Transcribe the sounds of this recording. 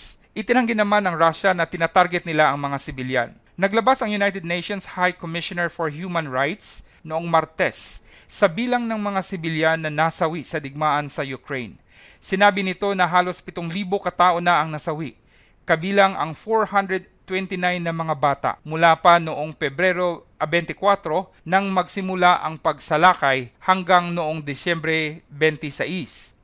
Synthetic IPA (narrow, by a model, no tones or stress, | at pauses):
ʔɪt̪ɪnɐŋɡɪnːɐmanɐŋɹaʃɐnɐt̪ɪnaːt̪aɾɡɛt̪̚nɪlaʔɐŋmɐŋasɪbɪlja̰nːɐɡlɐbasɐŋjʊnajt̪ɛd̪̚nejʃonshajkomɪʃonɛɹfoɹhjuːmɐ̃nɹajt̪s | noʔoŋmɐɾt̪ɛssɐbiːlɐŋnɐŋmɐŋasɪbɪljanːɐnasɐwisɐd̪ɪɡ̚maːʔɐnsɐjʊkɹejn | sɪnaːbɪnɪt̪o̞nɐɦaːlo̞spɪt̪oŋliːbokɐt̪aːʔo̞nɐʔɐŋnɐsɐwiʔ | kɐbiːlɐŋʔɐ̰ŋfoɹhand̪ɾɛd̪̚t̪wɛnt̪ɪnajnːɐmɐŋabaːt̪a̰ʔmʊlaːpɐnoʔoŋpɛbɾɛɾo̞ʔɐbɛnt̪ɪkwat̪ɾo̞ | nɐŋmɐɡsɪmʊlaʔɐŋpɐɡsɐlaːkɐjhɐŋɡaŋnoʔoŋd̪ɪsjɛmbɾɛbɛnt̪ɪsɐʔis